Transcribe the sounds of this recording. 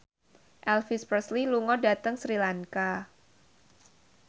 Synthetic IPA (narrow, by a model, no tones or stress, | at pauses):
ʔɛlfispɾəsliluŋɔdat̪əŋsɾilaŋka